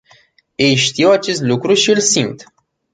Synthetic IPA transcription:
jejʃt̪ijewat͡ʃe̞st̪lukɾuʃiɨlsimt̪

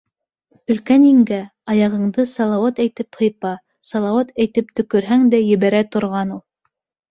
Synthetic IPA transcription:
ɵ̆lkæniŋɡæɑjɑʁɤ̆ɴd̪ɤsɑlˠɑwɑt̪æjt̪ɘphɤ̆jpɑ | sɑlˠɑwat̪æjt̪ɘp̚t̪ɵ̆kɵ̆ɾɦæŋd̪æjɘ̆βæɾæt̪ŏɾʁɑnulˠ

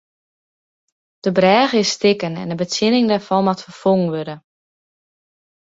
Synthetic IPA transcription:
d̥əbrɛːɣəɪsːtɪkənɛ̰ndəbət͡sjɪnɪŋdɛɹfɔnmatfəfoŋəŋʋødə

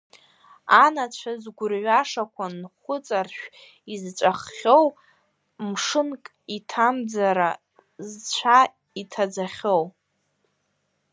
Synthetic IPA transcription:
anat͡ɕʷʰazɡʷʊrɥʷaʂakʷʰanχʷʊt͡sʼarʃᶣ | izt͡ʃʷʼaχːʲo̞w | mʂɨnkʼ | itʰamd͡zaɾa | zt͡ɕʷʰa | itʰad͡zaχʲow

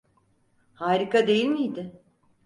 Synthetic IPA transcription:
haːɾikad̪e̞jilʲmijd̪ɪ

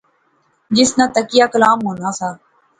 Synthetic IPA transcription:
d͡ʒɪsnãːt̪əkɪjaːkəlaːmɦoːnaːsaː

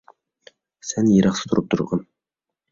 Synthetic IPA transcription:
sænjeɾʔɑχsə̥t̪ʰʊɾɤp̚t̪ʰʊ̰ɾʁɑn

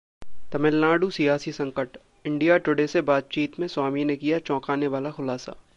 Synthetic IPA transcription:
t̪ɐmɪlnaːɖusijaːsisɐ̃ŋkəʈ | ɪ̃ɳɖijaʈʊɽesebaːt̪̚t͡ʃiːt̪mẽswaːminekijat͡ʃɔ̃ːkaːneʋaːlaxʊlaːsa̰

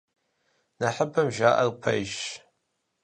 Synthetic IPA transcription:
nɐħəpʰɐmʒaːʔɐ̰rpʰɐjʃ

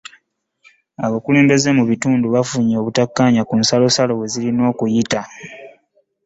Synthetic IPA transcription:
aβokule̞ːmbe̞ze̞muβituːnduβafuɲoːβutakːaɲakunsalo̞salo̞we̞zilino̞ːkujita

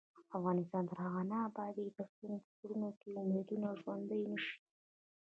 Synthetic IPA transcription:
afɣɑnɪst̪ɑnt̪əɾhaɣanaːbɑd̪id̪əunpkuɾunokeumed̪unaʒwand̪əjnəʃi̥

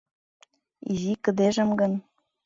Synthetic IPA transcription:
ḭzikə̆d̪eʒə̆mɡən

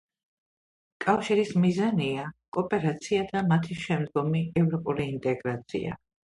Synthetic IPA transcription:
kʼafʃiɾismizaniakʼɔpʼɛɾat̪sʰiad̪amat̪ʰiʃɛmd̪̚ɡɔmiɛvɾɔpʼuliːnt̪ʼɛɡɾat̪sʰḭa̰

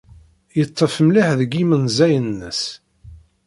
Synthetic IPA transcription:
jət̪ˤːəfmliħðəɡimənzæjənːəs

